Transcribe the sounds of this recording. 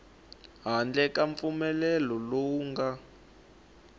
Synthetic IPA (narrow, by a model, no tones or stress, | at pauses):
ɦand͡ɮɛkaɱp̪fumɛlɛlɔloŋɡa